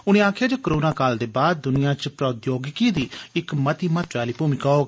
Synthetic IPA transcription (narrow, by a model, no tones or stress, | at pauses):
ʊñẽːaːkʰjaːd͡ʒoːkəɾoːnaːkaːld̪eːbaːd̪̚ːʊnɪjãːt͡ʃpɾət̪joːɡɪkiːd̪iːɪkmət̪iːmət̪ʋaːliːpuːmiːkaoːɡ